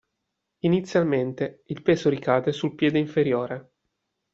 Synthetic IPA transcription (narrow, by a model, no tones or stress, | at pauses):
init̪sːjalment̪eilpeːzoɾikaːd̪esulpjɛːd̪eiɱfeɾjoːɾe